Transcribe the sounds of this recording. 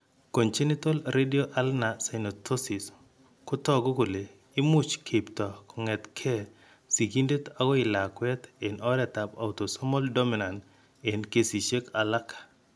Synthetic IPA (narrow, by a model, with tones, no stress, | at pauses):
ko˨ɲt͡ʃi˦nɪ˦to˦lɾe˦di˦o˦ʔa˦lna˨sa˨jno˨tʰo˦si˨s | kʊ˦tɔ˦ɡo˦ko˨le˨ | ɪ˦mu˦t͡ʃkʰe˨ptɔ˨kɔ˨ŋɛ˨t̪kʰɛ˦ | si˨ɡi˦nde˦t̪a˦ɡɔ˦ɪ˨la˨kwɛ˦t̪e˨nɔ˦ɾɛ˨ta˨pa̰˨wto˨sɔ˦mɔ˦ldo˦mi˨na˨nd | e˨nke˦˨si˨ʃe˦ka˨la˦kʰḁ˨